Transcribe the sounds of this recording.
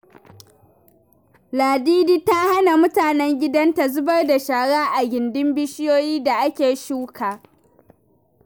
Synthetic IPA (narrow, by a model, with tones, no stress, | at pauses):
laː˨diː˦diː˦ta˦ha˦na˨mʊ˦taː˨nɛ˦ŋɡʲɪ˦dɐ˦nta˨zʊ˦bɐ˦rda˨ʃaː˨ɽaː˦ʔa˨ɡʲɪ˨ndɪ˦mbɪ˦ʃɪ˦joː˦jiː˦da˨ʔa˦kʲeː˨ʃuː˦kʰaː˨